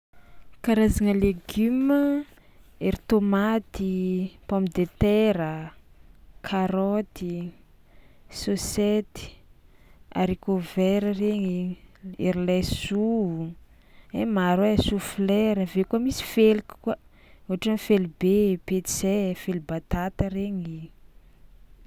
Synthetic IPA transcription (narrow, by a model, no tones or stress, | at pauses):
kaɾazaŋəleɡymə | eɾit̪omat̪ipɔmid̪et̪ɛɾə | kʰaɾɔt̪i | soset̪i̥ | a̰ɾikovɛɾəreɲieɾilɛsuu | emaɾwesuflɛɾəvekuamisi̥felikkwə | oɦaʈ͡ʂanifelibepesefelibat̪at̪əɾeɲi